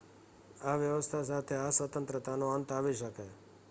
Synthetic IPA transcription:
aʋjəʋəst̪ʰasat̪ʰeasʋət̪ənt̪ɾət̪anoənt̪aʋiʃəke

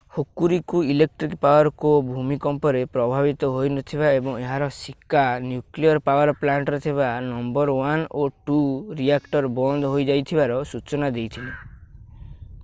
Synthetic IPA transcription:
hokːuɾikuilek̚ʈɾikpawaɾɔkobʱumikɔmpɔɾepɾɔbʱabit̪ɔɦojnɔt̪ʰibaebɔŋeɦaɾɔsikːanjukliɔɾpawaɾɔplaɳʈɾet̪ʰeβanɔmbɔɾwanoʈuɾiakʈɔɾbɔnd̪ʱɔɦojd͡ʒajt̪ʰibaɾɔsut͡ʃɔnad̪ejt̪ʰili

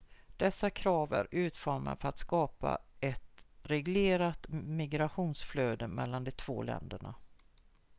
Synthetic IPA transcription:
d̪̥ɛsːakʰɾɑːvæ̰ɾʉ̟ːt̪fɔɾma̰fœɾat̪skɑːpa̰ɛt̪ɾɛɡleːɾat̪mɪɡɾaɧuːnsfløːd̪əmɛlːand̪ɛt̪ʰv̥oːlɛ̰nd̪əɳa̰

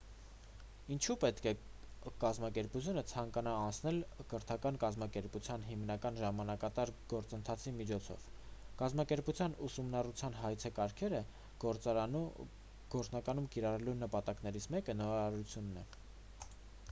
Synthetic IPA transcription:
int͡ʃʰupɛt̪kʰɛ | kɑzmɑkɛɾput͡sʰjunət͡sʰɑŋkɑnɑːnt͡sʰnɛlkəɾt̪ʰɑkɑnkɑzmɑkɛɾput͡sʰjɑnɦimnɑkɑnʒɑmɑnɑkɑt̪ɑɾɡ̥ɔɾt͡sənt̪ʰɑt͡sʰimit͡ʃʰɔt͡sʰɔ̰v̥kɑzmɑkɛɾput͡sʰjɑnusumnɑrut͡sʰjɑnɦɑjt͡sʰɛkɑɾkʰɛɾə | ɡ̥ɔɾt͡snɑkɑnumkiɾɑrɛlunəpɑt̪ɑknɛɾit͡sʰmɛkənɔɑɾɑɾut͡sʰjunːɛ

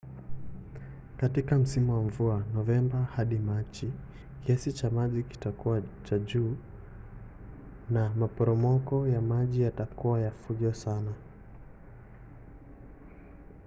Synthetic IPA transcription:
katikam̩simuwamvuanɔvɛmbahaɗimat͡ʃi | kɛsit͡ʃamaʄiki̥takuwat͡ʃaʄuː | namapɔɾɔmɔkɔjamaʄijatakuwajafuʄɔsana

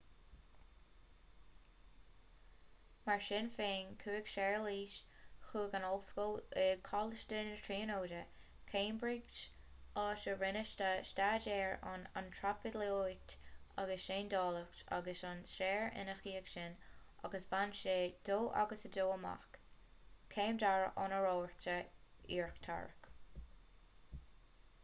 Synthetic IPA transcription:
maɹʃɪnfeːnkʰuːɪɡʃɛɹliːʃxuːɡanɔlskolɛkʰɔləʃtənətʰɹiːnoːdə | kʰeːmbɹiɡt͡ʃ | ɑːʃəɹɪnəʃtəʃtaːd͡ʒɛːɹa̰na̰nt̪ʰɹapɪdloːjktaɡəsʃeːndɑːləkta̰ɡəsɔnsʃɛːɹɪ̰nəxiːəkʃɪnʔaɡəsb̥anʃeːd̪̥oːʔa̰ɡəsədoːəma̰k | kʰeːmd̪aɹɔ̰nəɹoːɹtəiːɹkt̪ʰa̰ɹk

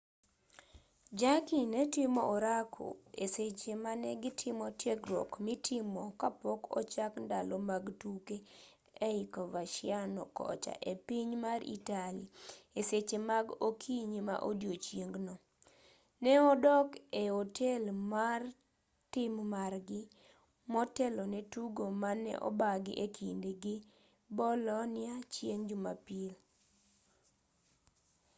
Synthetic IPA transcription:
d͡ʒakinɛtɪmɔʔoɾakʰo̰eset͡ʃemanɛɡɪtʰɪmɔtjeɡɾɔ̰kmɪtʰɪmɔkapɔkɔ̰t͡ʃakndalɔmaɡtuke | eɪkovaʃɪanɔkɔ̰t͡ʃa̰ʔepiɲmaɾḭtalieset͡ʃemaɡokʰiɲima̰ʔodjot͡ʃjeŋɡnɔ | nɛɔdɔkeotʰɛlmar | tɪmmarɡɪ | mɔtɛlɔnɛtuɡomanːɛ̰ʔɔ̰baɡɪ̰ʔekʰindeɡɪ | bɔlɔnɪat͡ʃjeŋd͡ʒuma̰pil

